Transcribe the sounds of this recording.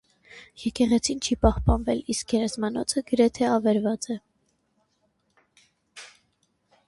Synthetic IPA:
jɛkɛʁɛt͡sʰint͡ʃʰipɑhpɑnvɛliskjɛɾɛzmɑnɔt͡sʰəɡəɾɛt̪ʰɛɑvɛɾvɑt͡sɛ

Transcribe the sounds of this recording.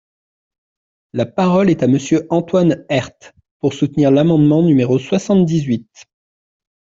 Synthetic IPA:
lapaʁɔlɛt̪aməsjøʔɑ̃t̪wanɛʁt̪ | puʁsut̪niʁlamɑ̃d̪mɑ̃nymeʁoswasɑ̃t̪̚d̪izɥit̪

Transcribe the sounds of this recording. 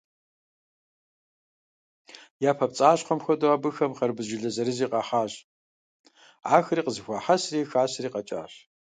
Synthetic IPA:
jaːpʰɐpt͡sʼaːɕqʷɔmxʷɐdoaːbɨxɐmχɐrbɨʑɪɮɐzɐɾɨziːqɐħaːʑ | aːxriːqəzɨxʷɔːħasriːxaːɕriːqɐt͡ʃʼa̰ːɕ

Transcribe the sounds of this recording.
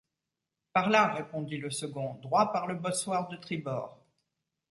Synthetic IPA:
paʁlaʁepɔ̃d̪iləsəɡɔ̃d̪ʁwapaʁləbɔswaʁd̪ət̪χibɔːʁ

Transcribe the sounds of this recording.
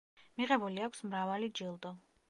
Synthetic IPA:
miʁɛbuliakʷʰsmɾavalid͡ʒilˠd̪ɔ

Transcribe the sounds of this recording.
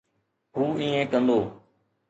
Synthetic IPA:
ɦuːĩːẽːkənd̪oː

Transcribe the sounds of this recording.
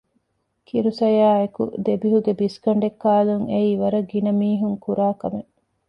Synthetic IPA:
kiɾusɐjaːekṵd̪ebiɦuɡebiskɐɳɖekːaːluŋeiːʋɐɾɐɡinɐmiːɦuŋkuɾaːkɐme

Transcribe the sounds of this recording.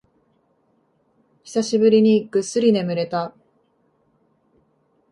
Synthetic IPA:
çi̥saɕibɯ̟ɾʲiɲ̟iɡ̥ɯ̟sɨɾʲine̞mɯ̟ɾe̞t̪a

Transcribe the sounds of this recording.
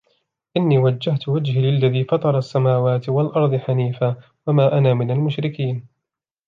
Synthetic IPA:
ʔɪnːiːwad͡ʒːaht̪wad͡ʒhilɪlːaðiːfɑt̪ˤɑɾˤɑsːamaːwaːt̪ɪwalʔɑɾˤd̪ˤɨħaniːfa | wamaːʔanaːmɪnalmʊʃɾɪkiːn

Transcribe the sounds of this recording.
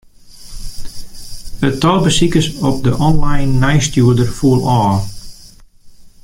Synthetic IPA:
ətɔlˠbəsikəsɔp̚dəʔɔnlajnːajstjuədərfuəlˠɔː

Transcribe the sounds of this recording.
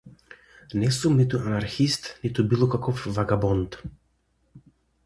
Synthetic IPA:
nɛsumnit̪uʔanaɾxist̪nit̪ubilˠɔkakɔfvaɡabɔnt̪

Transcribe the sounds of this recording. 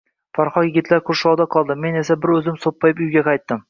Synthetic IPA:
faɾχɒkjɪɡʲɪt̪ʰlaɾkʰʊɾʃɒwd̪aqʰɒlˠd̪ɪmːe̞ne̞sabɪɾɵzɪmsopʰːɒjɪpʊjɡʲaqʰɑjt̪ːɪm

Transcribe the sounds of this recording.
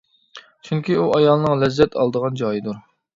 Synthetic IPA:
t͡ʃʰyŋkʲʰiuʔɑjɑlˠnɨŋlɛzːɛt̪ʰɑ̰lˠd̪əʁɑnd͡ʒɑjid̪uɾ

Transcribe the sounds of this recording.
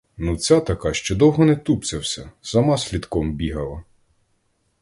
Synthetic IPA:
nut͡sʲat̪ɐkɑʃt͡ʃɔd̪ɔwɦɔnɛt̪upt͡sʲɐwsʲɐsɐmɑsʲlʲid̪kɔmbʲiɦɐlˠɐ

